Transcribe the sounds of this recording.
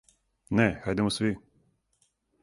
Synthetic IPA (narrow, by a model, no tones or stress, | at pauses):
nɛxajd̪ɛmɔsʋʲi